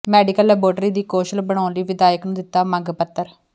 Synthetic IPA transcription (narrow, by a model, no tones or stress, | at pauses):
mɛːɖɪkəlɛːboːɖɾiːd̪iːkoːʃəlbəɽ̃aːʊnliːʋɪd̪aːjəknũːd̪ɪt̪ːaːməŋɡpət̪ːəɾ